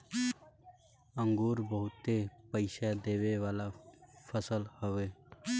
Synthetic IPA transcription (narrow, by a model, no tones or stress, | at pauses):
ə̃ŋɡuːɾbəɦʊt̪ːepəɪʃad̪eːʋeʋaːlafʰəsəlhoʋeː